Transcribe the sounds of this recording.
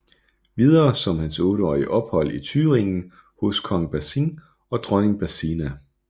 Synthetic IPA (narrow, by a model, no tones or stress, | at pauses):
ʋið̞ˠɐːsɒ̽mhænsɔ̽ːɾəɒ̰ːiəʔɒ̽b̥hɒ̽l̰it͡sʰyːʁeŋn̩ | ho̝skʰɒ̽ŋb̥æsin | ɒ̽d̥ʁɔne̝ŋb̥æsinæ